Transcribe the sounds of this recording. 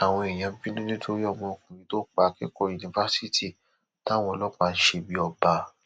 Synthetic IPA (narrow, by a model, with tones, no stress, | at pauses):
a˨w̃ɔ̃˧i˨j̃ã˧bi˦nĩ˦nĩ˦do˦jɔ˦˧˨mɔ̃˧˨kũ˨nĩ˨˦to˦k͡pa˨˦ki˦kɔ˦i˨nĩ˨fa˦si˦tʰi˦˨ | ta˦w̃ɔ̃˧˦˧lɔ˦k͡pa˧n̩˦ʃe˧bi˦ɔ˧ba˧